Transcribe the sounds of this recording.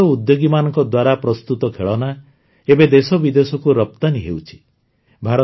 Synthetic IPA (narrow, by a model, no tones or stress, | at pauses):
ɔud̪joɡimanɔŋkɔd̪waɾapɾɔst̪ut̪ɔkʰeɭɔna | ebed̪esɔbid̪esɔkuɾɔp̚t̪aniɦewt͡ʃʰi̥ | bʱaɾɔ